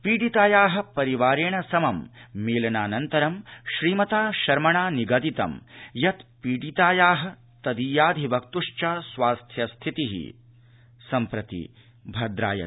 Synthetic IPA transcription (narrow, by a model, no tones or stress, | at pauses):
piːɖit̪aːjaːɦɐ̆pɐɾiʋaːɾeːɳɐsɐmɐmːiːlɐnaːnɐnt̪ɐɾɐmʃɾiːmɐt̪aːʃɐɾmɐɳaːniɡɐd̪it̪ɐ̰mjɐt̪piːɖit̪aːjaːɦɐ̆ | t̪ɐd̪iːjaːd̪ʱiʋɐk̚t̪uʂt͡ʃasʋaːst̪ʰjɐst̪ʰit̪iɦḭ | sɐmpɾɐt̪ḭ | bʱɐd̪ɾa̰ːjɐ̰